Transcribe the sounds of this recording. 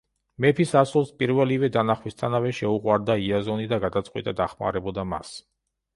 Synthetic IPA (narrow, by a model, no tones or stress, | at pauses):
mɛpʰisasulˠspʼiɾvɛlivɛd̪anaχwist̪ʰanavɛʃɛuqʼwaɾd̪aiazɔnid̪aɡad̪at̪sʼqʼwḭt̪ʼad̪aχma̰ɾɛbɔd̪ama̰s